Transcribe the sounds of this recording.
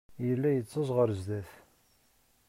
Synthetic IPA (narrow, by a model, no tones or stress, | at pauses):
jəlːæjət͡sːəzˤʁəɾzðæθ